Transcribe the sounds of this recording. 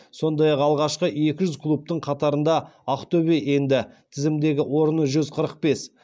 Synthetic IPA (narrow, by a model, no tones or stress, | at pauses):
so̞nd̪ɑjɑqɑlˠʁɑʃqəe̞kʲɪʒʏzkʰlˠup̚t̪əɴqʰɑt̪ɑɾənd̪ɑɑqt̪ɵbeje̞nd̪ɪt̪ʰɪzɪmd̪e̞ɡʲɪwo̞ɾənəʒʏzqʰəɾəq̚pe̞s